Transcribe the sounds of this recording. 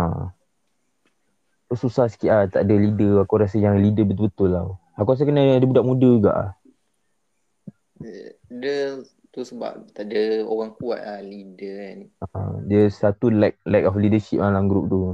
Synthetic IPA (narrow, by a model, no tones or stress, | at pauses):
a̰ | t̪ususahsə̥kiʔat̪aʔdəlidəakuɾasəjaŋlidəbət̪ulbət̪ʊlːa | akuɾas̬əkənədəbudaʔmudəɡa̰ʔa̰h | də | t̪usəba̰p̚t̪aʔdəoɣaŋkua̰t̪ahlidənadəsːat̪ulak̚lɛkɔflidəʃip̚malamɡɾup̚t̪u